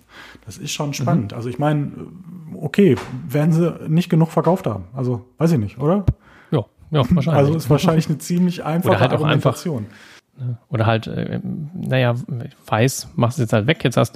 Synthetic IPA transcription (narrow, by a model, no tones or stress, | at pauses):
d̥asɪstʃoːnʃpanəntʔa̰lzoɪçmaɪn̰ | ʔokʰeːveːɐdn̩ziːnɪçt̚ɡ̥ənuːχfɛɐkʰaʊftha̰ːbm̩ʔalzovaɪs̬ɪçnɪçtʔoːɾɐ | jaː | jaːaɐʃaalzoɪstv̥aɐʃaɪnlɪçnət͡siːmlɪçʔa̰ɪnfoːadɐhaltaʊa̰ɪnfat͡sjoːn | nəʔoːɾɐɦaltʔɛ̰najav̥aɪsmaχstjɛt͡shaltv̥ɛkjɛt͡sha̰st